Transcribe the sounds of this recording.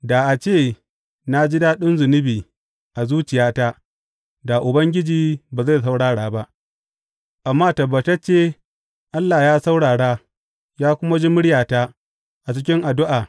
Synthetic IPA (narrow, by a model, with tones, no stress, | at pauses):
da˨ʔa˨t͡ʃeː˦˨ | na˦d͡ʒɪ˦daː˦ɗʊ˦nzʊ˨nɪ˦biː˨ | ʔa˨zuː˦t͡ʃɪ˨jaː˦ta˦ | da˨ʔʊ˨bɐ˦ŋɡʲɪ˦d͡ʒiː˨baː˨za˦˨s̬a˦wɽaː˦ɽaː˨ba˦ʔ | ʔa˨mːaː˦tɐ˨ba˨tɐ˦t͡ʃeː˦˨ | ʔa˦lːa˨jaː˦sa˦wɽaː˨ɽaː˦ | jaː˦kʷʊ˦ma˦d͡ʒi˦mʊ˦ɽjaː˨taː˦ | ʔa˨t͡ʃɪ˦kʲɪ˦ŋʔa˨dʊ˦ʔaː˨